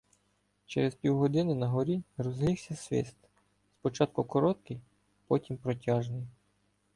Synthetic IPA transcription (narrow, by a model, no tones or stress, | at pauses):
t͡ʃeɾespʲiwɦɔd̪ɪnɪnɐɦɔɾʲirɔzɦlʲiwsʲɐsʲʋʲɪ̰st̪ | spɔt͡ʃɑt̪̚kʊkɔɾɔt̪̚kɪj | pɔtʲimpɾɔtʲɑʒnɪj